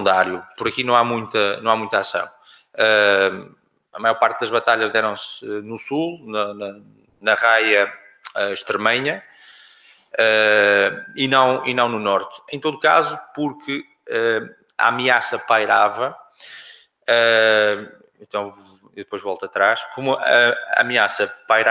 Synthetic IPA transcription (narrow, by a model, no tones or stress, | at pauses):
nd̪aɾjupuɾɐkinɐ̃w̃amũj̃t̪ɐnɐ̃w̃amũj̃t̪asɐ̰̃w̃ | ɛ | ɐmajɔɾpaɾt̪̚d̪ɐʒβɐt̪aʎɐʒðɛɾɐ̃w̃sɛnusulˠnɐnɐ | nɐʁajɐ | ɛʃt̪ɨɾmɛɲɐ | ɛ | inɐ̃w̃ḭnɐ̃w̃nunɔɾt̪ɨẽt̪oðukazupuɾkʰɨ | ɛ | a̰amiasɐpajɾavɐ | ɛ | ẽnt̪ɐ̃w̃ | iðɨpojʒvɔlˠt̪ɐt̪ɾaʃkomuɐamiasɐpajɾa